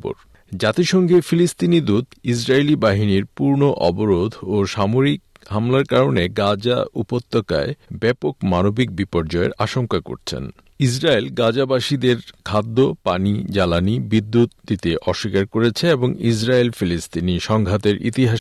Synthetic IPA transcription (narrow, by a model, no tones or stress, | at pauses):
bo̰ɾ | d͡ʑat̪iʃɔŋɡʱefilist̪inid̪ud̪is̬ɾaelibaɦiniɾpuɾnoʔɔboɾod̪ʱoʃamoɾik̚ | ɦamlaɾkaɾoneɡad͡ʑa̰ṵpot̪ːoka̰ebɛpokmanobik̚bipoɾd͡ʑɔḛɾaʃoŋkako̰ɾt͡ɕʰḛn | is̬ɾaelɡad͡ʑabaʃid̪eɾkʰad̪ːopanid͡ʑalanibid̪ːut̪d̪it̪eʔɔʃːikaɾkoɾet͡ɕʰeeboŋis̬ɾaelfilist̪iniʃɔŋɡʱat̪eɾʔḭt̪iɦaʃ